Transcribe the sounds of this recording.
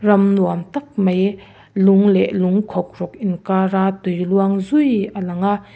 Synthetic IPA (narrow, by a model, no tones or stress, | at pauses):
rɐmnuamt̪ak̚maj | luŋlɛʔluŋkʰɔk̚rɔk̚ʔinkaɾat̪ujluaŋzujʔalaŋa